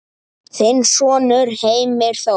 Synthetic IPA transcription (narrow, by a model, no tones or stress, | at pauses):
θensɔːnʏɾheːjmɪɾ̥θa